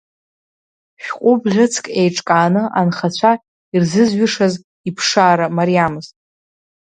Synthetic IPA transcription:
ʃᶣqʷʼʊbʁʲɨt͡sʰkʼejʈ͡ʂʼkʼaːnɨʔanχat͡ɕʷʰa | irzɨzɥʏʂaz | ipʰʂaːɾamaɾijamɨzʼ

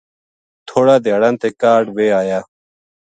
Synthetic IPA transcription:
t̪ʰoːɽaːd̪jaːɽãːnt̪eːkaːɖʋeːaːjaː

